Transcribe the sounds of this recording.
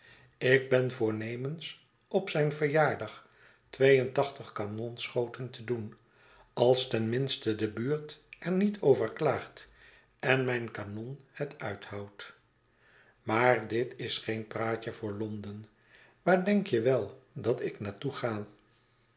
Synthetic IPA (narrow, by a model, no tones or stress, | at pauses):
ɪɡ̚bɛnvʊːɹnejməns | ʔɔpsɛjnvəɹjaːɹdɑχ | tʋejəntɑχtəχkanɔnsχowtəntədun | ɑlˠstɛnmɪnstədəbyːɹtɛɹnitʰowvəɹklaːχt | ɛnmɛjnkanɔnhətʰœ̰ɥthɑwt | maːɹdɪtɪsχejnpraːcəvʊːɹlɔndən | ʋaːɹdɛŋkjəʋɛlˠdɑtɪknaːtuχaː